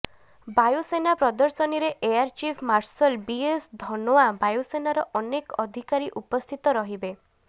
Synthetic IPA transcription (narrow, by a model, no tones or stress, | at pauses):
bajusenapɾɔd̪ɔɾsɔniɾeʔejaɾt͡ʃipʰmaɾsɔlbiesd̪ʱɔnoabajusenaɾɔʔɔnekɔd̪ʱikaɾiʔupɔst̪ʰit̪ɔɾɔɦibe